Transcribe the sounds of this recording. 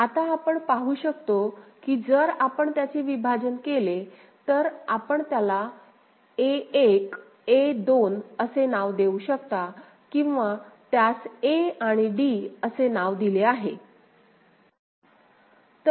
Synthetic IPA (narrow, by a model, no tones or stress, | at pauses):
at̪aːpəɳpaɦuːɕəkt̪okiːd͡zəɾapəɳt̪jat͡seʋibʱad͡ʑənkele | t̪əɾapəɳt̪jala | eek | ed̪onəsenaʋd̪euɕəkt̪a | kĩw̃ʋat̪jaseaɽ̃iɖiəsenaʋd̪ileaɦe | t̪ə